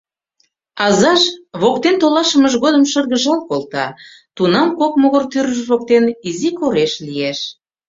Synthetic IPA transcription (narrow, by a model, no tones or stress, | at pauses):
ɑzɑʃβokt̪ent̪olɑʃəməʒɣod̪əmʃərɣəʒɑlkolt̪ɑ̰ | t̪unɑmkok̚moɣərt̪yɾəʒβok̚t̪enizikoɾeʃlieʃ